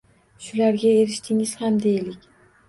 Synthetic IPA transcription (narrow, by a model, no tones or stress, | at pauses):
ʃʊlaɾɡʲaeɾɪʃt̪ʰɪŋɪz̥hamd̪e̞jlɪkʲ